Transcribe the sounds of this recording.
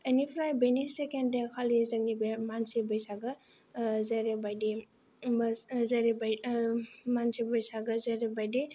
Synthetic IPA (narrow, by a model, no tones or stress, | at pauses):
enipʰɾajbenisekendekʰalizɐŋ̚nibemansibəjsaɡɐ | zaɾebajdi | zaɾeba | mansibɐjsaɡɐzaɾebajdi